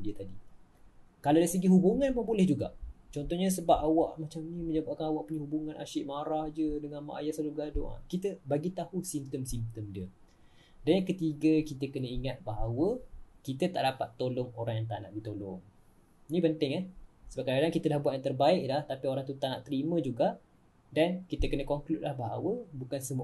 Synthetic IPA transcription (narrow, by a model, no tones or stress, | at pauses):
diət̪adi | kaladaisəɡiɦubuŋãnməbolɛhd͡ʒuɡa̰ʔt͡ʃɔnt̪ɔhɲəs̬əbap̚awaʔmat͡ʃamnĩmə̃ɲd͡ʒabaʔkanawaʔpuɲəhubuŋãnʔa̰ʃɪʔmaɾahd͡ʒədəŋanma̰ʔa̰jasaluəɡado̰ŋa̰kit̪əbaɡit̪ahusimt̪əmsimt̪əmdiə | danjaŋkət̪iɡəkit̪əkənəiŋat̪̚baɦawəkit̪ət̪aʔdapat̪ːolʊŋoɾaŋjaŋt̪a̰ʔna̰ʔbit̪olɔŋ | inipənt̪ɪŋahsəbapkaɾadaŋkit̪əlahbwat̪ʔ̚jãt̪ərbaɪʔlaht̪apioɾaŋt̪ut̪aʔnaʔt̪əɾimə̃d͡ʒuɡaʔ | dankit̪əkənəkɔŋklut̪̚lahbaɦawəbukansəmu